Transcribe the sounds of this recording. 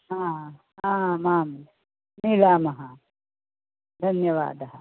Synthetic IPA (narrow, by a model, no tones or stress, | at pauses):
ɦã | ɦãmaːm | nilaːmɐɦã | d̪ʱɐnjɐʋa̰ːd̪ɐɦɐ